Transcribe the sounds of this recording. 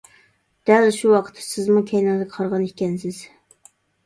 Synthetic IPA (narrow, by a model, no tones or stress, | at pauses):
d̪̥ɛlʃuwɑqʰə̥t̪ʰːɛ̥sɪzmukʲʰɛjnɪŋd̪əqʰɑɾʁɑnikʲɛnsɪz̥